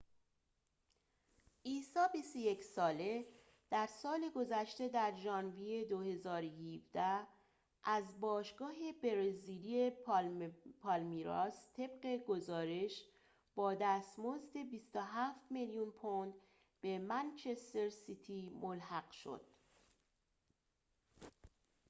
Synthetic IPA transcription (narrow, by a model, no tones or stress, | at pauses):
ʔiːsɒːbist̪o̞je̞csɒːle̞ | d̪̥æɾsɒːle̞ɡo̞zæʃt̪e̞d̪æɾd͡ʒɒːnvije̞d̪ohe̞zɒːɾojivd̪æ | ʔæzbɒːʃɡɒːɦe̞beɾezilie | pʰɒlmiɾɒːst̪ʰe̞bɢe̞ɡo̞zɒːɾe̞ʃ | b̥ɒːd̪æːst̪mozd̪e̞bist̪oɦæːft̪meljunpʰond̪ | b̥e̞mænt͡ʃʰe̞st̪eɾsit̪ʰimolhæɡ̥ʃo̰d̪̥